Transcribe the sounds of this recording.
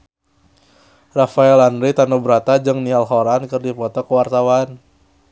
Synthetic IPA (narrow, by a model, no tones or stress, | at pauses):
rafaɛlanɾit̪anubəɾat̪ad͡ʒɨŋnialɦoɾankɨrdipɔt̪ɔkəwart̪awan